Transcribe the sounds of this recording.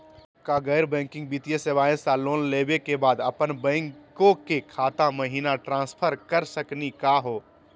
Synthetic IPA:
kaɡəɪɾbɛ̃ːŋkɪ̃ŋɡ̚biːt̪ijesebaːɪ̃saloːnleːbekebaːd̪ɐpənbɛ̃ːŋkõkekʰaːt̪aməɦiːnaʈɾãːspʰəɾkəɾsəknikaɦoː

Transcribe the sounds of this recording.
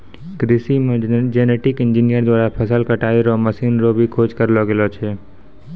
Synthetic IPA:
ɡɾɪsimẽd͡ʒeneʈɪkɪ̃nd͡ʒinijəɾd̪waːɾapʰəsəlkəʈaːiɾoməsiːnɾoːbʱikʰoːd͡ʒkəɾloɡelot͡ʃʰeː

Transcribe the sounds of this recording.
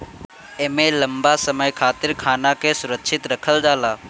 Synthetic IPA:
eːmẽləmbasəməjkʰaːt̪ɪɾkʰaːnakesʊɾəkʃʰɪt̪ɾəkʰəld͡ʒaːlaː

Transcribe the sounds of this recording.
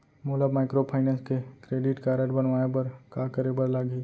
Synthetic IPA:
moləbmaːɪkɾopʰaːɪnə̃nskekɾeːɖɪʈkaɾəʈbənʋaːepɐɾkakəɾebəɾlaɡiː

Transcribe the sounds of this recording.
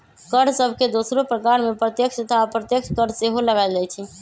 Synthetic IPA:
kəɾɖsəbʱked̪osɾopɾəkaɾmepɾət̪jəksət̪ʰapɾət̪jəkʃkəɾseɦoləɡajld͡ʒajt͡ʃʰɛ

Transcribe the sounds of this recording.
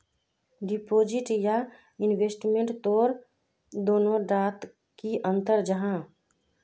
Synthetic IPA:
ɖipod͡ʒiʈja | inbesʈmẽɳʈt̪oɾ | d̪oːnoɖat̪ | kiʔənt̪əɾd͡ʒəɦã

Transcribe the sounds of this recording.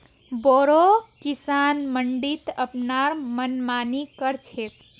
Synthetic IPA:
boɾokisanməɳɖit̪əpnaɾmənmanikəɾt͡ʃʰet̪

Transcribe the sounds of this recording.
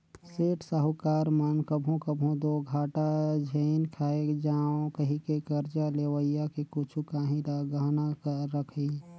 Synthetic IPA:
seːʈsəɦʊkaːɾmənkəbʱũkəbʱũd̪oɡʱaːʈad͡ʒʱenkʰaːed͡ʒaːõkəɦĩkekəɾd͡ʒaleːwəijakekʊt͡ʃʰukaːɦĩlaɡəɦnakəːəkʰe

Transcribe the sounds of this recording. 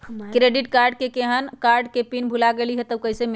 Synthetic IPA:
kɾeɖiʈkaɾɖ̚kekeɦənkaɾɖkepinbʱulaɡeliɦet̪əwkəjseme

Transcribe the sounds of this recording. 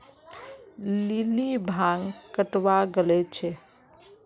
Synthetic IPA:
lilibʱaŋkəʈwaɡəlɛt͡ʃʰɛ

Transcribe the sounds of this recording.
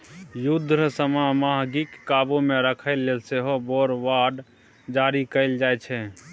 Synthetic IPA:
jud̪ʱɾəsəmamaɦɡikːabomeɾəkʰəɪlːelseɦoboɾʋaɖ | d͡ʒaɾikəɪld͡ʒajt͡ʃʰɛ

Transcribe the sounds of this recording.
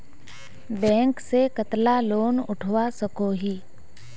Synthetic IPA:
bɛ̃ːŋksekət̪laloːnʊʈʰʋasəkoɦiː

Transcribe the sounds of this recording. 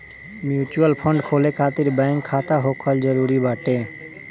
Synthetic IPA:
mjuːt͡ʃuəlpʰə̃ɳɖkʰoːlekʰaːt̪ɪɾbɛ̃ːŋkʰːaːt̪aɦoːkʰəld͡ʒəɾuːɾibaːʈẽː

